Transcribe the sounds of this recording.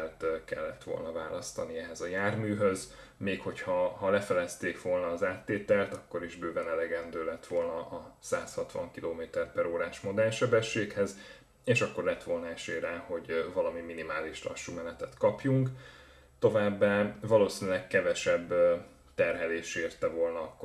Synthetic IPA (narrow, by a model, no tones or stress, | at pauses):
lt̪kɛ̰lːɛ̰t̪ʋo̞̰lnɒva̰ːlɒst̪ɒniɛɦɛzɒjaːrmyːɦø̞z | meːkho̞chɒhɒlɛfɛlɛst̪eːkʋo̞lnɒːzaːt̪ːeːt̪ɛlt̪ɒkːo̞ɾiʒbøːvɛnɛlɛɡɛnd̪øːlɛt̪ʋo̞lnɒʔɒsaːshɒt̪ʋɒ̰ŋkiloːmeːt̪ɛrpɛɾoːɾaːʃmo̞d̪ɛlʃɛbɛʃːeːkhɛz | eːʃɒkːo̞rlɛt̪ʋo̞lnɒɛʃeːɾɛho̞ɟvɒlɒmiminimaːliʃlɒ̰ʃːumɛnɛt̪ɛt̪kɒpjuŋk | t̪o̞vaːbːaːvɒloːsinylɛkkɛvɛʃɛbː | t̪ɛrɦɛleːʃeːrt̪ɛvo̞lnɒɒkː